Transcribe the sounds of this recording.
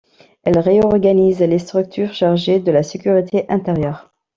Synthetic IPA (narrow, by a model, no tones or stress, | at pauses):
ɛlʁeɔʁɡanizlest̪χyk̚t̪ʰyʁʃaʁʒed̪əlasekʲyʁit̪ʰeʔɛ̃t̪eʁjœʁ